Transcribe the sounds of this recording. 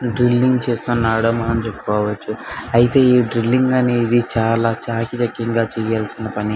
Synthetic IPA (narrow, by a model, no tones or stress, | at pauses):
ɖɾilːiŋɡt͡ʃeːst̪uːnaːɽɐmɐːnɐmt͡ʃekːukɔːʋɐt͡ʃːuɐjit̪e̞ːiːɖɾilːiŋɡɐneid̪it͡ʃaːlaːt͡ʃaːkit͡ʃɐkːiŋɡaːt͡ʃɛːjaːlsinɐpɐni